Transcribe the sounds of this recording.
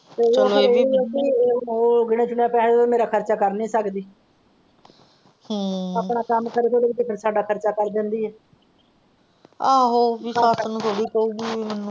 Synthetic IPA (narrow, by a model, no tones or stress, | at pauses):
t̪eːlieːkiːoːɡɪɽ̃ẽːt͡ʃʊɳjaːpɛːɽd̪oːmeːɾaːkʰəɾt͡ʃaːkəɾnĩːsəkd̪iː | hãaːpɳaːkəmkəɾeːkoːd̪eːkd̪eːkʰəɾsaːɖaːkʰəɾt͡ʃaːkəɾd̪ẽːnd̪iːɛː | aːɦoːʋɪsaːsnũːt̪ʰoːɽiːkəuːɡiːmɛnũː